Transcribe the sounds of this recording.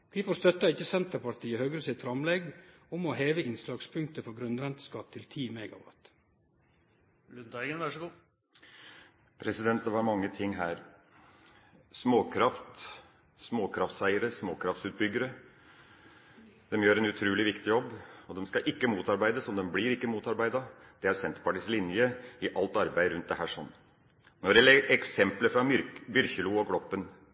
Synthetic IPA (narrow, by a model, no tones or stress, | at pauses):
ʋiːfoɾst̪œt̪ːɑɪçəsɛnt̪əɾpɑʈ̪ʰiːəhœɡɾəsɪt̪fɾɑmlɛɡʊmɔheːʋəɪnslɑːɡspʰʉŋk̚t̪əfɔɾɡɾʉnd̪ɾɛnt̪ə̥skɑt̪ʰːɪlt̪ʰiːmɛɡɑ̰ʋɑ̰t̪ | lʉd̪ɡənʋæʂəɡuː | pʰɾɛsɪd̪ɛnt̪d̪ɛʋɑɾmɑŋːət̪ʰɪŋːɦæːɾ | smoːkʰɾɑft̪ | smoːkʰɾɑft̪sæɪəɾəsmoːkʰɾɑft̪sʉːt̪̚bʏɡəɾə | d̪ɛmjøːɾɛnʉt̪ʰɾʉːlɪʋɪkt̪ɪjɔbːɔd̪ɛmskɑʔɪkːəmuːt̪ɑɾbæɪd̪əsɔmd̪ɛmbliɾɪkːəmuːt̪ɑɾbæɪd̪ɑd̪̥ɛæɾsɛnt̪əɾpɑʈɪːslɪnjəɪʔɑlt̪ɑɾbæɪɾʉnt̪d̪ɛhæːʂɔnː | nɔɖɛlɛɛksɛmpləfɾɑbʏɾçəluːɔkɽɔpːən